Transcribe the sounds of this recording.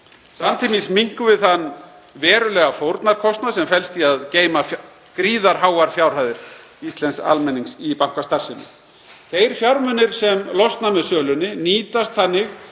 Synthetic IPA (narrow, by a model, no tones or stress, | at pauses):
samnt̪ʰimismiŋ̥kʏvɪðθanː | vɛːɾʏlɛːɣafowɾt̪naɾ̥kʰɔst̪nasɛmfɛlst̪iaðceːjma | kɾiːðaɾ̥ɦaːwaɾ̥fjaːwɾ̥haːjðɪɾ | ist̪lɛnsa̰lmɛnːiŋsipahkast̪ar̥sɪnːɪ̰ | θejɾ̥fjawɾmʏnːɪɾ̥sɛmlɔst̪namɛðsœːlʏnɪniːt̪ast̪θanːɪx